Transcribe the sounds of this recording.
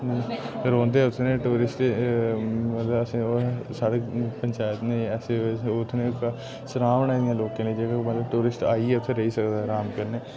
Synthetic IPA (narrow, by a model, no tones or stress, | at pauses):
ɾõːnd̪eːʊt̪ʰːnẽːʈuːɾɪsʈ | mət̪ləbəsĩosaːɽepəɲt͡ʃaːjət̪neɛːseːeʊt̪ʰnẽka | səɾaːʋnaːẽːloːkeːnẽd͡ʒeːkamət̪ləb̚ʈuːɾɪsʈaːiɛːʊt̪ʰːẽːɾəiːsəkd̪aːɦɛɾaːmkəɾneː